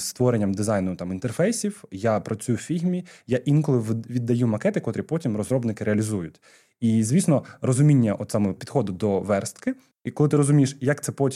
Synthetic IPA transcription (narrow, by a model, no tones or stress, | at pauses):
st̪ʋɔɾenʲːɐmd̪ɪzajnʊt̪ɑmint̪erfɛjsʲiwjapɾɐt͡sʲujʊwfʲiɦmʲijaʔinkʊlˠɪʋʋʲid̪ːɐjumɐkɛt̪ɪkɔt̪ɾʲɪpɔtʲimrɔzɾɔbnɪkɪɾeɐlʲizujʊtʲ | izʲʋʲisnɔrɔzʊmʲinʲːɐʔɔt̪sɑmɛpʲid̪xɔd̪ʊd̪ɔʋɛrst̪kɪ | kɔlˠɪt̪ɪɾɔzʊmʲijʃjɐkt̪ɛpɔtʲ